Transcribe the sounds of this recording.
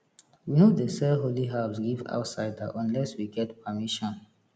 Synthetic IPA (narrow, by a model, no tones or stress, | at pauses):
winodəsɛɦoliɦaʊsɡiva̰ʊtsaɪdaʔɔ̃nlɛswiɡɛtpʰəmiʃɔ̃n